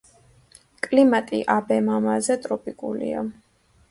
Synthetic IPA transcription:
kʼlimat̪ʼiʔabɛmamazɛt̪ʼɾɔpʼikʼulḭa̰

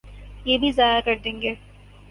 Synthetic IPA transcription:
jeːbʱizaːjakɐɾd̪ẽːŋɡeː

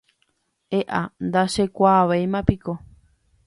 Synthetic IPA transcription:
eʔand̪aʃekʷaβejmãpiko

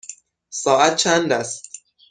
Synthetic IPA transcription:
sɒːʔæt̪̚t͡ʃʰænd̪æst̪

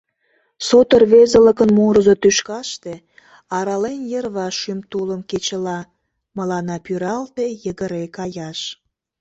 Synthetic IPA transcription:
sot̪ərβezələkənmuɾəzot̪yʃkɑʃt̪e | ɑɾɑlenjərβɑʃymt̪uləmket͡ɕəlɑ | məlɑnɑpyɾɑlt̪ejəɣəɾekɑjɑʃ

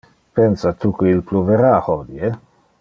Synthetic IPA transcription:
pensat̪ukeilpluveɾahɔd̪je

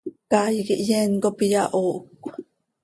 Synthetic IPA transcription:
kajikiʔjɛŋkopijaʔoːʔkʷːḁ

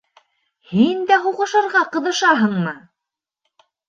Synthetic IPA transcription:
hind̪æɦuʁɤ̆ʃɤ̆ɾʁɑqɤ̆ðɤ̆ʃɑɦɤɴmɤ

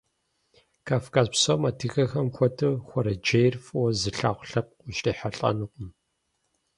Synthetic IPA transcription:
kʰaːfkʰaːzpsomatʰɨxɐxɐmxʷɔtʰɨxʷɔɾɐd͡ʒejrfwɔzɨɬaːχʷɬɐp̚qʷʊɕtiːħɐɬʼɐ̰nɨqʷʼʊm

